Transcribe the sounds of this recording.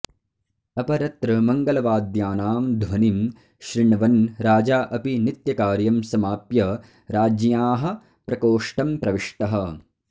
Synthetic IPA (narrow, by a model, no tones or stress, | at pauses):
ɐpɐɾɐt̪ɾɐmɐŋɡɐlɐʋaːd̪jaːnaːmd̪ʱʋɐnim | ʃɾiɳɐʋɐnɾaːd͡ʒaːʔɐpinit̪jɐkaːɾjɐmsɐmaːpjɐ | ɾaːd͡ʒjaːɦɐ̆ | pɾɐkoːʂʈɐmpɾɐʋiʂʈɐɦɐ